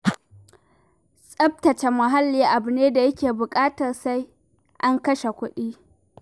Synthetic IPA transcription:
sʼɐ˦b̚tɐ˨t͡ʃe˨mɐ˨ɦa˦lːiː˨ʔa˨bʊ˨neː˦da˨jɐ˦kʲeː˨bʊ˨kʼaː˦tɐ˨rsa˦j | ʔa˦ŋkɐ˦ʃe˨kʷʊ˦ɗiː˦

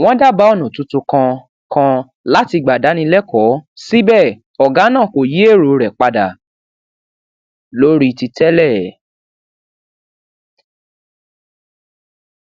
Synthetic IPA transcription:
w̃ɔ̃˦da˦ba˦ɔ˦˨nũ˨tu˧tu˧kã˧ | kã˧ | la˦ti˧ɡ͡ba˨da˨˦nĩ˧lɛ˦kɔ˨˦si˦bɛ˦˨ | ɔ˨ɡa˨˦nãː˦˨ko˨ji˦e˦˨ɾo˨ɾɛ˨k͡pa˧da˨ | lo˦ɾi˦˧ti˧tɛ˦lɛ˦˨

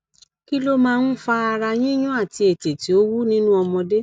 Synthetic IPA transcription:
ki˦lo˦mãː˦˧n̩˦fa˦a˧ɾa˧j̃ĩ˦j̃ũ˦a˦˨ti˧e˨te˨ti˨˦o˦wu˦nĩ˦nũ˦ɔ˧mɔ̃˧de˦

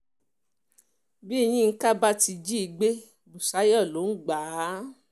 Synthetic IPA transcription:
bi˦˨˧j̃ĩ˦˧ŋ̩˦ka˦ba˦ti˧d͡ʒi˦i˨˧ɡ͡be˦ | bu˨sa˨˦jɔ˦˨lo˨˦n̩˦ɡ͡ba˨˦

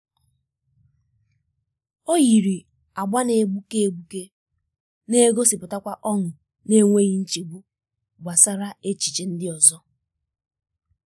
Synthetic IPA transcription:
o˦ji˨ɾi˨ | a˨ɡ͡ba˦ne˨ɡ͡bu˦ke˦e˨ɡ͡bu˦ke˦ | ne˦ɡo˦sɪ˨pʊ˨ta˦kʷa˦ʔɔ˦ŋʊ˨ | ne˦ŋʷe˦ɣi˦n̩˦t͡ʃi˨ɡ͡bu˦ | ɡ͡bʷa˨sa˦ɾa˦e˦t͡ʃi̥˨t͡ʃe˨n̩˦dɪ˦ɔ˨zɔ˦

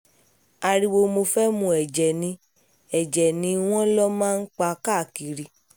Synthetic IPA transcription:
a˧ɾi˧wo˧mo˧fɛ˦mũ˧˨ɛ˨d͡ʒɛ˨nĩ˧˦ | ɛ˨d͡ʒɛ˨nĩ˧w̃ɔ̃˦lɔ˦mãː˦˧n̩˦k͡pa˧ka˦˨ki˨ɾi˧

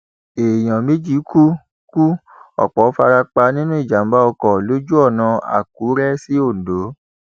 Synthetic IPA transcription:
e˨j̃ã˨me˦d͡ʒi˦ku˦ | ku˦ | ɔ̰˨k͡pɔ˨˦fa˧ɾa˧k͡pa˧nĩ˦nũ˦i˦˨d͡ʒa˨˦ba˦ɔ˧kɔ˨lo˦d͡ʒu˦ɔ˦˨nã˧a̰˨k̚u˨˦ɾɛ˦si˦o˦˨do˨˦

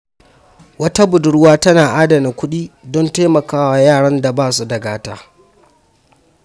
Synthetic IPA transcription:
wɐ˦ta˦bʊ˨dʊ˦ɽwaː˦tɐ˦naː˨ʔaː˦dɐ˨ni˨kʷʊ˦ɗiː˦dɔ˦nta˦mɐ˨kaː˦wa˨jaː˦˨ɽɐ˦nda˨baː˦˨su˦dɐ˨ɡaː˦taː˦

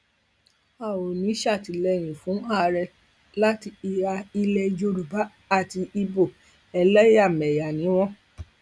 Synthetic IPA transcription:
a˦˨wo˨nũ˨˦i˦ʃa˦˨ti˨˦lɛ˧˨ɾ̃ĩ˨fũ˨˦a˦˧˨ɾɛ˧ | la˦ti˧i˧ɾa˧i˧lɛ˧d͡ʒo˧ɾu˨ba˨˦ | a˦˨ti˧i˧bo˦˨ | ɛ˧lɛ˦a˦˨mɛ˨ja˨nĩ˨˦w̃ɔ̃˦

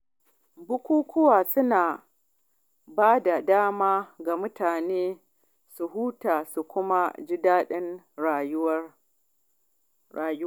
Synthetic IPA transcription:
bʊ˦kʷuː˦kʷʊ˦waː˨sʊ˦naː˨ | baː˦da˨daː˦maː˦ɡa˨mʊ˦taː˨neː˦ | su˨ɦuː˦taː˨su˨kʷʊ˦ma˦d͡ʒɪ˦daː˦ɗɪ˦n˨˦ | aː˨j

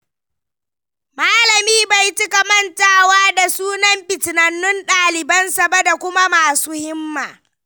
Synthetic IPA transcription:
maː˦lɐ˨miː˦ba˨jt͡ʃɪ˦kɐ˨mɐ˦ntaː˨waː˦da˨suː˦nɐ˦mɸɪ˨tɪ˨nɐ˨nːʊ˦nɗaː˨lɪ˨bɐ˦nsɐ˨bɐ˦da˨kʷʊ˦ma˦maː˨suː˦hɪ˦mːaː˨

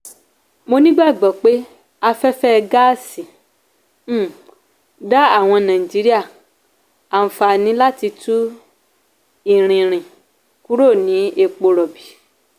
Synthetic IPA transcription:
mo˧nĩ˦ɡ͡ba˦˨ɡ͡bɔ˨k͡pe˦ | a˧fɛ˦fɛ˦ɡa˦si˨˦ | da˦a˦˨w̃ɔ̃˧nã˨i˨d͡ʒi˨˦ɾi˦a˦˨ | a˨n̩˨fa˨nĩ˨˦la˦ti˧tu˦ | i˦˨ɾ̃ĩ˨ɾ̃ĩ˨ | ku˦ɾo˦˨nĩ˨˦e˧k͡po˧ɾɔ˨bi˨

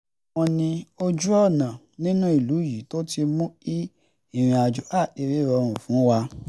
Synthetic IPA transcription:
wɔ̃˧nĩ˧o˦d͡ʒu˦ɔ˦˨nã˨ | nĩ˦nũ˦i˦˨lu˨˦ji˨˦to˦ti˧mũ˦i˦ | i˦˨ɾ̃ĩ˧a˧˨d͡ʒu˨˦a˦˨de˧ɾe˦˨ɾɔ˧ɾ̃ũ˨fũ˨˦wa˧

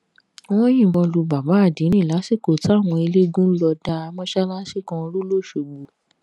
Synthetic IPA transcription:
w̃ɔ̃˦j̃ĩ˦˨wɔ̃˧lu˧ba˨ba˨˦a˦˨dĩ˨˦ñĩ˦˨la˨˦si˦˨ko˨ta˨˦˨w̃ɔ̃˧i˧le˦ɡũ˦lɔ˧da˧a˧mɔ̃˦ʃa˦la˦ʃi˦˨kɔ̃˧ɾu˦lo˦˨ʃo˨ɡ͡bu˨˦

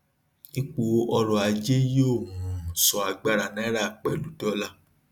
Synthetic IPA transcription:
i˦k͡po˨˧˦ɔ˧ɾɔ˨a˨d͡ʒe˦jo˦˨hũ˨sɔ˨a˧ɡ͡ba˦˧ɾa˨nɛ̃˨˦ɾa˦˨k͡pɛ˨lu˨˦dɔ˦la˦

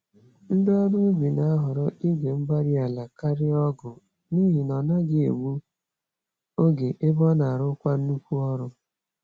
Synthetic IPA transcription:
n̩˦dɪ˦ɔ˦ɾu˦i˦bi˨na˨a˦ɦʊ˨ɾɔ˦i˦ɡe˨m̩˦ba˦ɾɪ˦a˨la˨ka˦ɾɪ˦ɔ˦ɡʊ˨ | ni˦ɦi˨nɔ˨na˦ɡɪ˦ḛ˨wʷu˦ | o˦ɡe˨ʔe˦bɔ˦na˨ɾʊ˦kʷa˦n̩˦u˦kʷu˦ɔ˦ɾʊ˦

